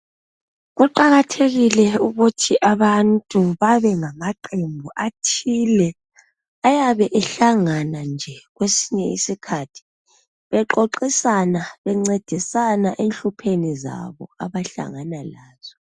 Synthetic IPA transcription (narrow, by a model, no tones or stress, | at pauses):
ɣuǃaɣatʰeɣilɛuɣutʰiʔaβantʼuβaβɛŋamaǃembʱuʔatʰilɛ | ajaβɛʔɛɬaŋanand͡ʒʱɛɣwesiɲɛisikʰatʰi̥ | βɛǃoǃisanaβɛŋ͡ǀed̥ʱisanaʔenɬupʰeniza̰βɔ̰aβaɬa̰ŋanalaːz̥ɔ